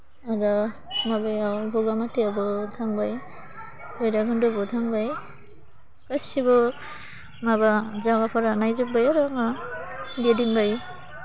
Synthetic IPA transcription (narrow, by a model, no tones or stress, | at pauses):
aɾa | mabajawbɔɡamateabɯtʰaŋbaj | hojɾaɡɯndɔbɔtʰaŋbaj | kasibɔ | mabazaɡapʰaɾanajzɯk̚bajaɾaŋa | bediŋbaj